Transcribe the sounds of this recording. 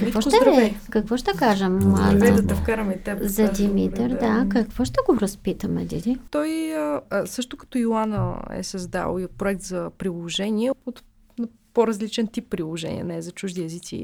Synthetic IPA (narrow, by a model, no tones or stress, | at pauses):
kɐkvɔʃt̪ɛkɐkvɔʃt̪ɛkaʒɛmnɛd̪ɐt̪ɛfkaɾɐmɛt̪ɛzɐd̪imit̪ɛɾd̪akɐkvɔʃt̪ɛɡoɾɐspit̪əmɛ̰d̪ḭd̪it̪ɔjəsɤʃt̪ʊkɐ̥t̪ɔilˠanə̰ɛ̰sɐzd̪a̰lˠipɾoɛk̚t̪zɐpɾilˠoʒɛniɛot̪ | nɐ | poɾɐzlit͡ʃɛnt̪ipːɾilˠoʒɛ̰nʲḭə̰nɛɛzɐt͡ʃuʒd̪iɛzit̪sḭ